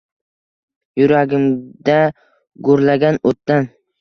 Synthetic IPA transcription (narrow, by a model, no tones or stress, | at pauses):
jʊɾaɡʲɪmd̪a | ɡoɾlaɡʲanot̪ːan